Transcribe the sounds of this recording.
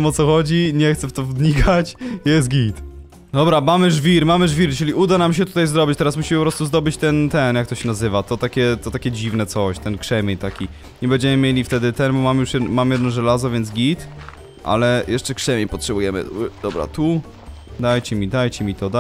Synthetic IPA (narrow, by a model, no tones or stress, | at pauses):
ɛmɔt̪sɔxɔd͡ʑiɲɛxt̪sɛft̪ɔvd̪ɲikʰat͡ɕjɛst̪ɡʲit̪ | d̪ɔbɾamamɘʐvʲiɾmamɘʐvʲiɾt͡ʂɘlʲiud̪anamɕ̬ɛt̪u̥t̪ajzɾɔbit͡ɕt̪ɛɾasmuɕimɘpɔpɾɔst̪uzd̪ɔbɘt͡ɕt̪ɛnt̪ɛnjakt̪ɔɕɛnazɘvat̪ɔt̪akʲɛt̪ɔt̪akʲɛd͡ʑivnɛt̪sɔɕt̪ɛnkʂɛmʲeɲt̪akʲi | ɲɛbɛɲd͡ʑɛmɘmʲjelʲift̪ɛd̪ɘt̪ɛnbɔmamjuʂjɛmamjɛd̪nɔʐɛlazɔvʲjɛnd̪ɡʲit̪ | ʔa̰lɛjʔɛʂt͡ʂɛkʂɛmʲjeɲpɔtʂɛbujɛmɘ̰d̪̥ɔbɾa̰t̪u | d̪ajt͡ɕɛmʲid̪ajt͡ɕɛmʲit̪ɔd̪a